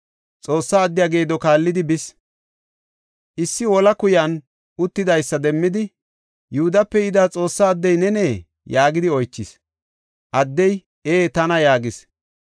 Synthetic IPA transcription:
t͡sʼo̞ːsːaːd̪ːɪjaːɡe̞ːd̪ɔkaːlːɪd̪ɪbɪs | ʔɪsːɪwɔlɐkʊjɐn | ʊt̪ːɪd̪ɐjsːɐd̪ɛmːɪd̪ɪ | jʊhʊd̪ɐpːɛɪd̪aːt͡sʼo̞ːsːaːd̪ːɛjnɛneː | jaːɡɪd̪ɪɔjt͡ʃːɪs | ʔɐd̪ːɛj | eːt̪ɐnɐjaːɡɪs

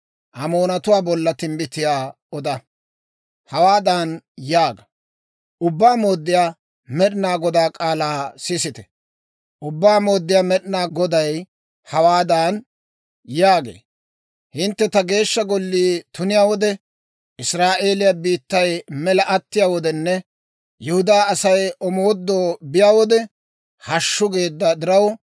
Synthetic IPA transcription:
ʔɐmoːnɐt̪ʊwaːbɔlːɐt̪ɪmbɪt̪ɪjaː | ɔd̪ɐ | hɐwaːd̪aːnjaːɡɐ | ʔʊbːaːmoːd̪ːɪjaː | mɛɗɪnaːɡɔd̪aːkʼaːlaːsɪsɪt̪ɛ̥ | ʔʊbːaːmo̞ːd̪ːɪjaːmɛɗɪnaːɡɔd̪ɐj | hɐwaːd̪aːn | jaːɡḛː | hɪnt̪ːɛt̪ɐɡe̞ːʃːɐɡɔlːiːt̪ʊnɪjaːwɔd̪ɛ | ʔɪsɾaːʔeːlɪjabiːt̪ːɐjmɛlɐʔɐt̪ːɪjaːwɔd̪ɛnːɛ | jɛhʊd̪aːɐsɐjɔmoːd̪ːoːbɪjaːwɔd̪ɛ | hɐʃːʊɡe̞ːd̪ːɐd̪ɪɾɐw

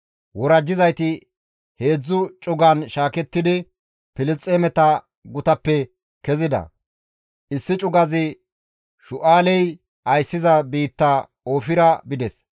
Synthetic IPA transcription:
wɔɾɐd͡ʒːɪzɐjt̪ɪ | he̞ːd͡zːʊt͡ʃʼʊɡɐnʃaːkɛt̪ːɪd̪ɪ | pɪlɪt͡sʼːeːmɛt̪ɐ | ɡʊt̪ɐpːɛ | kɛzɪd̪ɐ̰ | ʔɪsːɪt͡ʃʼʊɡɐzɪ | ʃʊʔaːlɛj | ʔɐjsːɪzɐbiːt̪ːɐ | o̞ːfɪɾɐbɪd̪ɛs

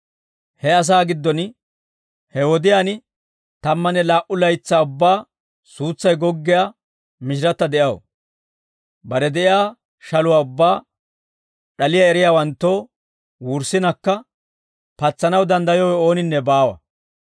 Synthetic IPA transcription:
hɛɐs̬aːɡɪd̪ːɔn | hɛwɔd̪ɪjaːnɪ | t̪ɐmːɐnɛlaːʔʊlɐjt͡sːaːʊbːaː | suːt͡sːɐjɡɔɡːɪja | mɪʃ̬ɪɾɐt̪ːɐd̪ɛʔjɐw | bɐɾɛd̪ɛʔɪjaː | ʃɐlʊwaːʊbːaː | ɗɐlɪjaɛɾɪjaːwɐnt̪ːoː | wuːɾsɪnɐkːɐ | pɐt͡sːɐnɐwd̪ɐnd̪ɐjɔɛo̞ːnɪnːɛbaːwɐ̰

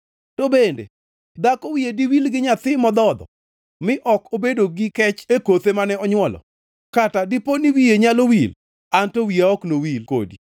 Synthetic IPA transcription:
tobendḛ | d̪akɔwijediwilɡɪɲat̪ɪmɔd̪ɔd̪ɔ̰ | mɪʔɔkobedoɡɪkɛt͡ʃekot̪emanɛɔɲwɔlɔ̰ | katadiponiwijeɲalowil | antowiaɔknowilko̰di

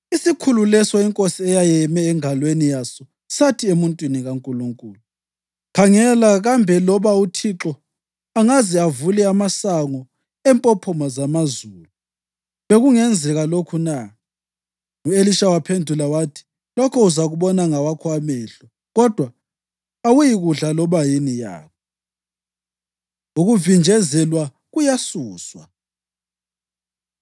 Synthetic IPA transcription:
isikʰululɛsɔiŋkʼosiɛjajɛmɛːŋalwenijasɔ | satʰiemuntʼwiniɣaŋkʼuluŋkʼuːlu | kʰaŋɛlaɣambʱɛlɔβautʰiǁɔ | aŋaziavulɛamasaŋɔ | ɛmpʼɔpʰɔmazamazuːlu | βeɣuŋɛnd͡zʱɛɣalokʰuna | ŋueliʃawapʰendʱulawatʰi̥ | lɔkʰɔuzaɣuɓɔnaŋawakʰwamɛːɬɔ | ɣɔd̥ʱwa | awujiɣuɮalɔβajinija̰ːkʰɔ | uɣuvind͡ʒʱɛzɛlwa | ɣujasuːswa̰

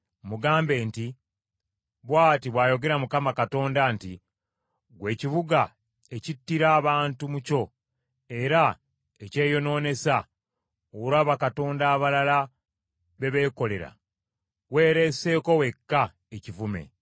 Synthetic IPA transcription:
muɡaːmbe̞ːnti | βwaːtiβwaːjo̞ɡe̞ɾamukamakato̞ːndanti | ɡwe̞ːciβuɡa | ecitːiɾaːβaːntumuco̞ | e̞ɾa | ece̞ːjo̞no̞ːne̞sa | owuɾaβakato̞ːndaːβalala | βe̞βe̞ːko̞le̞ɾa̰ | weːɾe̞se̞ːko̞we̞kːa | ecivume̞̰

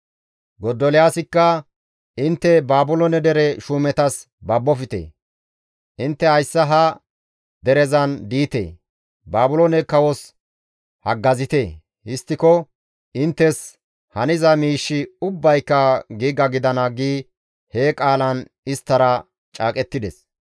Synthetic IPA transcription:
ɡɔd̪ːɔlɪjaːsɪkːɐ | ʔɪnt̪ːɛbaːbʊlɔnɛd̪ɛɾɛʃuːmɛt̪ɐs | bɐbːɔfɪt̪ḛ | ʔɪnt̪ːɛhɐjsːɐɦɐ | d̪ɛɾɛzɐnd̪iːt̪ḛː | baːbʊlɔnɛkɐwɔs | hɐɡːɐzɪt̪eː | hɪst̪ːɪkɔ | ʔɪnt̪ːɛs | hɐnɪzɐmiːʃːɪʊbːɐjkːɐɡiːɡɐɡɪd̪ɐnɐɡiː | heːkʼaːlɐn | ɪst̪ːɐɾɐ | t͡ʃʼaːkʼɛt̪ːɪd̪ɛs

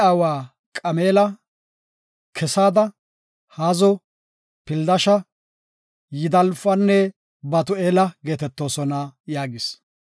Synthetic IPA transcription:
aːwaː | kʼɐme̞ːlɐ | kʰɛsaːd̪ɐ | haːzɔ | pɪld̪ɐʃɐ | jɪd̪ɐlfɐnːɛ | bɐt̪ʊeːlɐɡe̞ːt̪ɛt̪ːo̞ːsɔnɐjaːɡɪs

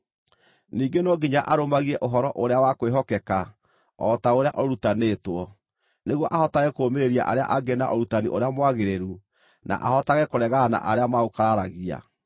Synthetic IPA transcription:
niːɡenɔɡiɲaʔaɾomaɣiɛʔoɦɔɾɔʔoɾeawakoweɦɔkɛka | ɔtaoɾeaʔɔɾutaneːtwɔ | neɣwɔʔahɔtaɣɛkoːmeɾeɾia̰ʔa̰ɾea̰ʔaɡena̰ʔɔɾutanḭʔoɾeamwaɣeɾeɾu | nʔa̰ʔahɔtaɣɛkoɾɛɣaːna̰ʔaɾeamaokaɾaɾaɣia̰

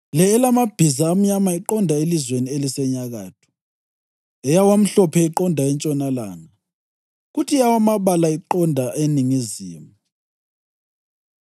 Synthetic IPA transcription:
lɛːlamab̥ʱizaːm̩ɲamaiǃɔndʱaelizwenielisɛɲaɣaːtʰɔ̥ | ɛjawam̩ɬɔpʰɛiǃɔndʱaɛnt͡ʃʼɔnala̰ːna | ɣutʰijawamaβalaiǃɔndʱaʔeniŋizḭːmu

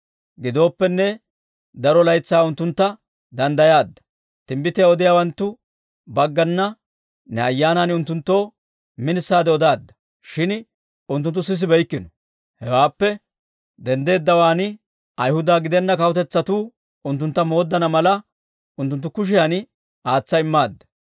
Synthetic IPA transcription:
ɡɪd̪o̞ːpːɛnːɛ | d̪ɐɾɔlɐjt͡sːaːʊnt̪ːʊnt̪ːɐ | d̪ɐnd̪ɐjaːd̪ːɐ̥ | t̪ɪmbɪt̪ːɪjaɔd̪ɪjaːwɐnt̪ːʊ | bɐɡːɐnːɐ | nɛɐjːaːnanʊnt̪ːʊnt̪ːo̞ː | mɪnɪsːaːd̪ɛɔd̪aːd̪ːɐ̥ | ʃɪn | ʊnt̪̬ːʊnt̪ːʊs̬ɪs̬ɪbɛjkːɪnɔ | hɛwaːpːɛ | d̪ɛnd̪e̞ːd̪ːɐwaːn | ʔɐjhʊd̪aːɡɪd̪ɛnːɐkɐwɔt̪ɛt͡sːɐt̪uː | ʊnt̪̬ːʊnt̪ːɐmo̞ːd̪ːɐnɐmɐlɐ | ʊnt̪ʊnt̪̬ːʊkʊʃ̬ɪjan | aːt͡sːɐɪmːaːd̪ːɐ̥

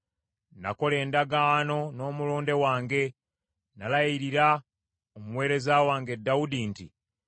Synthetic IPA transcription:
nako̞le̞ːndaɡaːno̞no̞ːmuloːnde̞waːŋɡe̞ | nalaiɾiɾa | omuwe̞ːɾe̞zawaːŋɡe̞dːaudinti

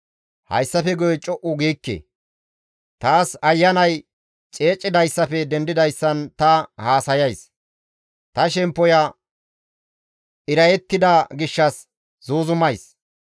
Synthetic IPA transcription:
hɐ̰jsːɐfɛɡʊjɛt͡ʃʼɔʔʊɡiːkːḛ | t̪aːsɐjːɐnɐj | t͡ʃʼe̞ːt͡ʃʼːɪd̪ɐjsːɐfɛd̪ɛnd̪ɪd̪ɐjsːɐnt̪ɐhaːsɐjɐjs | t̪ɐʃɛmpːɔjɐ | ʔɪɾɐjɛt̪ːɪd̪ɐɡɪʃːɐs | zuːzʊmɐjs

